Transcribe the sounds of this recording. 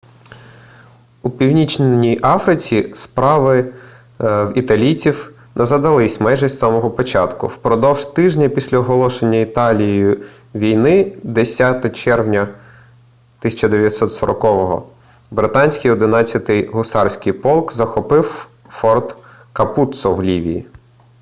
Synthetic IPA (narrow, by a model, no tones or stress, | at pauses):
upʲiwnʲit͡ʃnʲijʔɑfɾɪt͡sʲispɾɑʋɪ | wit̪ɐlʲit͡sʲiw | nʔɛzɐd̪ɐlˠɪsʲmɛjʒɐsʲt̪sɑmɔɦɔpɔt͡ʃɑt̪kʊ̰wpɾɔd̪ɔwʒ̥t̪ɪʒnʲɐpʲisʲlʲɐɔɦɔlˠɔʃenʲːɐit̪ɑlʲijjʊ | ʋʲijnɪd̪esʲat̪ɛt͡ʃɛrwnʲɐ | t̪ɪsʲɐt͡ʃɐd̪eʋʲjɐt̪sɔt̪sɔɾɔkɔʋɔɦɔ̰ | bɾɪt̪ɑnʲsʲkɪjɔd̪ɪnɑt͡sʲːɐt̪ɪjɦʊsɑrsʲkɪjpɔlˠkzɐxɔpɪw | fɔrd̪ | kɐput̪sɔwlʲiʋʲḭjḭ